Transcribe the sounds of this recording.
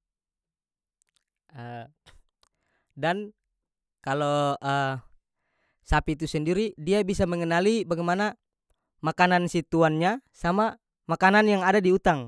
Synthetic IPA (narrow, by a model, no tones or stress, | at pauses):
ə | dan | kaloə | sapit̪usəndiɾidiabisaməŋənalibaɡajmana | makanansit̪uanɲasama | makananjaŋadadiut̪aŋ